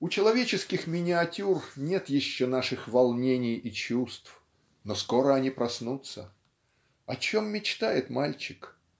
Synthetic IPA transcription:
ʊt͡ɕɪlˠɐvʲet͡ɕɪskʲɪxmʲɪnʲɪɐtʲurnʲe̞t̪jɪɕːonaʂɨxvɐlˠnʲenʲɪjit͡ɕust̪f | nosko̞ɾəɐnʲipɾɐsnut̪sə | ɐt͡ɕo̞mːʲɪt͡ɕt̪ajɪt̪malʲt͡ɕɪk

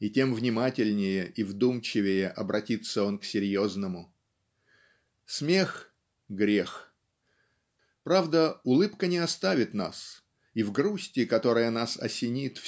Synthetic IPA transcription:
itʲe̞mvnʲɪmatʲɪlʲnʲɪjəʔivd̪umt͡ɕɪvʲɪjəʔɐbɾʔɐtʲit̪sːəo̞nksʲɪɾʲjo̞znəmʊ | smʲe̞x | ɡɾʲe̞x | pɾavd̪əʊlˠɨpkənʲɪɐst̪avʲɪt̪na̰s | ivɡɾusʲtʲɪkɐt̪o̞ɾəjənasɐ̰sʲɪnʲit̪f

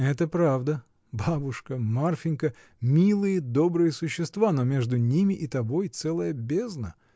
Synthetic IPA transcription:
ɛt̪əpɾavd̪ə | babʊʂkəmarfʲɪnʲkə | mʲilˠɨjəd̪o̞bɾɨjəsʊɕːɪst̪vano̞mʲe̞ʐd̪ʊnʲimʲɪʔɪt̪ɐbo̞jt̪sɛlˠəjəbʲeznə

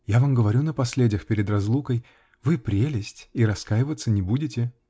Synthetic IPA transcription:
javamɡəvɐɾʲunəpɐsʲlʲedʲɪjəxpʲɪɾʲɪd̪rɐzlˠukəj | vɨpɾʲelʲɪsʲtʲiɾɐskajɪvət̪sːənʲɪbudʲɪtʲɪ

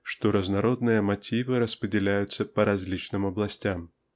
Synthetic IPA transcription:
ʂt̪ɔɾɐznaɾɔd̪nɨjɐmat͡sʲivɨɾɐspɾʲɪdʲɪlʲæjʊt̪sːɐpɐɾazʲlʲit͡ʃnɨmɐblˠasʲtʲam

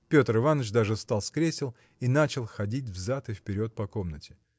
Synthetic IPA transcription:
pʲo̞t̪rɨvanːət͡ɕd̪aʐɨst̪alˠskɾʲesʲɪlˠ | inat͡ɕɪlˠxɐdʲit̬ʲvzat̪ɨfpʲɪɾʲo̞t̪̚pɐko̞mnətʲɪ̥

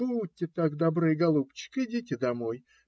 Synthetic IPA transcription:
uutʲːɪt̪akd̪ɐbɾɨjɡɐlˠupt͡ɕːɪ̥kɪdʲitʲɪd̪ɐmo̞j

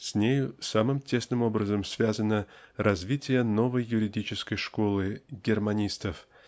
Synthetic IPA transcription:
sʲnʲejʊsamɨmtʲe̞snɨmo̞bɾəzəmsʲvʲazənəɾɐzʲvʲitʲɪjəno̞vəjːʊɾʲɪdʲit͡ɕɪskəjʂkolˠɨɡʲɪrmɐnʲist̪əf

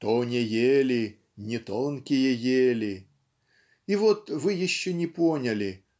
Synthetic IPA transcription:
t̪onʲejelʲɪ | nʲɪt̪olˠnkʲɪjəjelʲɪ | ivɔt̪vɨjɪɕːonʲɪponʲɐlʲɪ

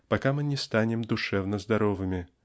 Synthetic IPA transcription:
paɐkamɨnʲɪst̪anʲɪmd̪ʊʂɛvnəzd̪ɐɾovɨmʲɪ

